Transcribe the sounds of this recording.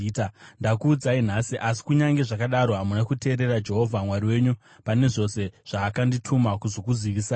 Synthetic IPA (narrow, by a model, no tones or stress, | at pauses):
tandakuːd͡zain̤asiʔasi̥kuɲaŋɡe̞ʐakaɗaɾo̞ɦamunakute̞ːɾe̞rad͡ʒe̞ɦo̞vʱamwariwe̞ːɲu | pane̞ʐo̞se̞ʐ̥aːkanditʰumakuzo̞kuziʋisaː